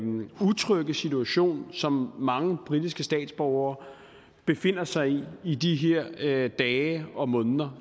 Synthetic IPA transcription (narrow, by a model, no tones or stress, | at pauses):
ut͡sʰʁœɡ̥əsit͡sʰuæɕo̝̰ːnsɒ̽mːɑ̈ŋəb̥ʁid̥isɡ̥əsd̥ɛ̰ːd̥sb̥ɒʊɐː | b̥e̝fe̝n̰ɐsɑ̈ɪiid̥iɦeɐ̰d̥ɛːɪɒ̽mɔ̽nðˠɐ